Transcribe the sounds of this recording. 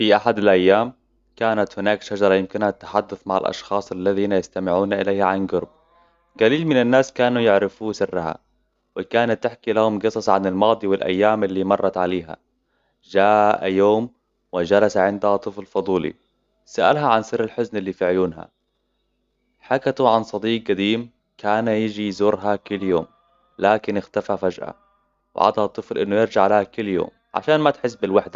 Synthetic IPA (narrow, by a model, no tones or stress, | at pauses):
fiʔaħad̪alʔajːaːm | kaːnat̪hʊnaːkʃad͡ʒɑɾˤɑjɪmkɪnhat̪ːḁħad̪ːʊθmaʕa̰lʔɑ̰ʃxɑːsˤalːaðiːnajast̪amɪʕuːnaʔɪleːhaʕanɡʊɾb̚ | ɡaliːlmɪnanːaːskaːnujɪʕɾɪfuːsɪrːaha̰ | wɪkaːnat̪ːɪħkilahʊmɡɨsˤɑsˤʕanɪlmɑːd̪ˤiwɪlʔa̰jːaːmɪlːimɑrˤːɑt̪ʕaleːɦa̰ | ʒaːʔʔa̰joːm | wɪd͡ʒalasaʕɪnd̪hat̪ˤːɨflfɑd̪ˤuːlḭ | saʔa̰lɦaʕansɪrːalħʊznɪlːiːfiʕʊjuːnɦa̰ | ħakat̪uʕansˤɑd̪iːk̚ɡad̪iːm | kʰaːnajɪd͡ʒijzuːɾɦakʊlːjoːm | laːkɪnɪxt̪afafad͡ʒʔa̰ | wʕa̰d̪hɑt̪ˤːɨflʔɪnːʊjɪɾd͡ʒaʕlaːhakʊlːjo̰ːm | ʕa̰ʃaːnmat̪ħɪs̬ːbɪlwaħd̪a